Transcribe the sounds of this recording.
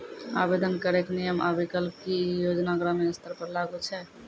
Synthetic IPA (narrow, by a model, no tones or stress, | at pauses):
a̰bed̪ənkəɾeknijəmʔa̰bʱikəlkijod͡ʒnaɡɾəmeəst̪əɾpəɾlaɡət͡ʃʰɛ